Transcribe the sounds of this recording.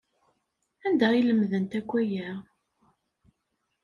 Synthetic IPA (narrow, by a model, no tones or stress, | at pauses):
ænd̪æiləmðənt̪ækʷːæjæ